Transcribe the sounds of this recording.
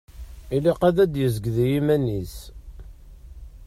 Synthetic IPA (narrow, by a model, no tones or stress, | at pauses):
iliqæðæd̪jəzɡðijimænis